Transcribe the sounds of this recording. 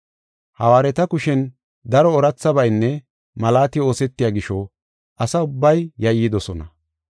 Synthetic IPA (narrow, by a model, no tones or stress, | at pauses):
hɐwaːɾɛt̪ɐkʊʃɛn | d̪ɐɾɔɔɾɐt͡sːɐbɐjnːɛ | mɐlaːt̪ɪo̞ːsɛt̪ːɪjaːɡɪʃɔ | ʔɐsɐʊbːɐjːɐjɪd̪ɔsɔnɐ